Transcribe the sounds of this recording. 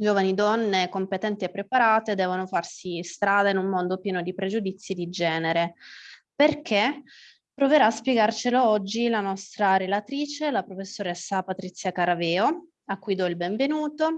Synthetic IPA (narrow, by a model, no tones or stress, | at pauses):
d͡ʒoːvanid̪ɔnːekompet̪ɛnt̪iepːɾepaɾaːt̪ed̪ɛːvonofarsist̪ɾaːd̪ainumːond̪opjɛːnod̪ipɾed͡ʒud̪it̪sːjid̪id͡ʒɛːneɾeperkʰe | pːɾoveɾaːspjeɡart͡ʃeloɔd͡ʒːilanɔst̪ɾaɾelat̪ɾiːt͡ʃelapɾofesːoɾɛsːapat̪ɾit̪sjakaɾavɛːo | akːujd̪ɔilbeɱvenuːt̪o